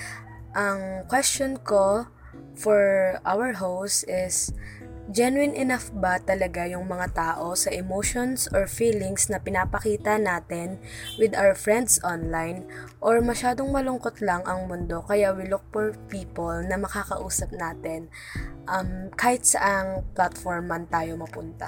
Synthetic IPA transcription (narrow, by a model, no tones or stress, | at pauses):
ʔɐŋkwɛst͡ʃonko | fɔɹʔa̰wɐɹɦowst̪ɪs | d͡ʒɛnwɪnʔɪnafbɐt̪ɐlɐɡajʊŋmɐŋat̪aːʔo̞sɐʔɛmoːʃonsʔɔɹfiːlɪŋsnɐpɪnapɐkiːt̪ɐnaːt̪ɛnwɪd̪ʔawɐɹfɹɛnd̪sʔonlajnʔoɹmɐʃaːd̪oŋmɐlʊŋkot̪lɐŋʔɐŋmʊnd̪o̞kɐjawɪlʊk̚fɔɹpiːpolnɐmɐkaːkɐʔuːsɐp̚naːt̪ɛn | ʔɐmkaːhɪt̪̚sɐʔaŋplat̪foɹmːɐnt̪aːjo̞mɐpʊnt̪ɐ̰